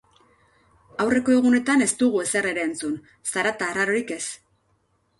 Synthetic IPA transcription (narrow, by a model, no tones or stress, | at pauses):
awre̞ko̞e̞ɣ̞une̞t̪ane̞st̪uɣue̞se̞re̞ɾe̞ːnt͡sun | saɾat̪aːraɾo̞ɾike̞s